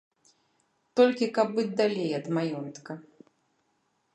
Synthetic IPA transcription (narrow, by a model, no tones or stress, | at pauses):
t̪ɔlʲkʲikɐbːɨd͡zʲd̪alʲejɐd̪majɔnt̪kɐ